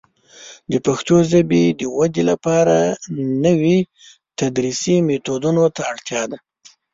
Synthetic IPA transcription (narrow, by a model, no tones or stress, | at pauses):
d̪əpaxt̪jozabid̪əwad̪elapɑɾanəwi | t̪ad̪ɾisimet̪od̪unot̪aːɽt̪jɑd̪a